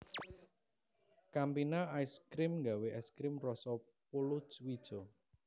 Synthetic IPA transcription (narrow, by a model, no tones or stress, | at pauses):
kampinaajskɾɪmŋɡaweʔɛskɾɪmrɔsɔ | pulʊswid̥ʒ̥ɔ